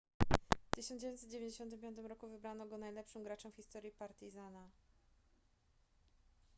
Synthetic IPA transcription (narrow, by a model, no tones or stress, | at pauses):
ft̪ɘɕɔnd͡ʑevjɔnt̪sɛt̪d͡ʑevjenɲd͡ʑeɕɔnt̪̬ɘmpʲjɔnt̪̬ɘmɾɔkuvɘbɾanɔɡɔnajlɛpʂɨmɡɾat͡ʂɛwfxʲist̪ɔɾjipaɾt̪izana